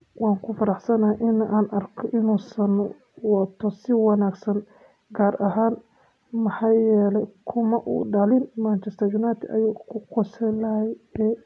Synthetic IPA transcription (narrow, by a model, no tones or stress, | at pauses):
wɑːŋkʰʊfɐɾɑħsɐnɐhɐʔɪnɐʔaːnʔɐrkʰɔʔɪnuːsɐn | wɐt̪ʰːɔsɪwɑnaːɡsɐn | ɡaːrʔɐɦaːn | mɐħaːjɛːlɛjkʰʊmɐʔṵːɖɐlɪnmant͡ʃɛst̪ʰɐjunaːt̪ʰɪʔɐ̰juːkʰʊqɔsɛjlɐɦɛjɛː